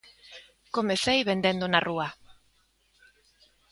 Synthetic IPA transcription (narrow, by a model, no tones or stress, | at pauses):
komeθejβend̪end̪unarʔua